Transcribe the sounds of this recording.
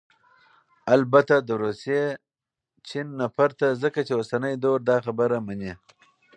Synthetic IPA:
albat̪ad̪əɾusje | t͡ʃinːafaɾt̪azəkat͡ʃeosanəjd̪oɾd̪ɑxabəɾamani

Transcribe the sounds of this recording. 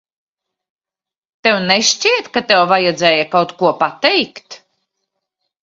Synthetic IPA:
t̪ɛwneʃt͡ʃiɛt̪kat̪ɛwvajɛd̪zɛːjakawt̪kuɔpat̪ɛjkt̪

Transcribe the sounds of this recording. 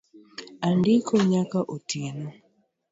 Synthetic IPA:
andɪkʰoɲakaʔotʰinɔ

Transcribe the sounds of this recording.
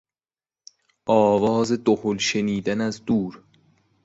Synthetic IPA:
ʔɒːvɒːzed̪oholʃeniːd̪ænæzd̪uːɾ

